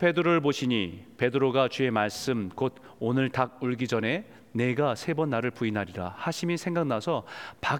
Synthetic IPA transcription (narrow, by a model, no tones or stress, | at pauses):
pʰe̞dɯɾoɭboɕʰiɲipe̞dɯɾoɡat͡ɕee̞maɭs͈ɯmkod̚ | onɯɭtaɡ̚uɭɡid͡ʑʌne̞ | ne̞ɡasʰe̞bʌnːaɾɯɭpuinɦaɾiɾa̰haɕʰimisʰe̞ŋɡaknasʰʌpa